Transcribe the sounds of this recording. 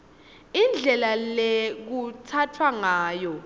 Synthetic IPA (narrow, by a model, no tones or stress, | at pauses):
ind͡ɮʱɛlalek̬utʰatʰwaŋaːjɔ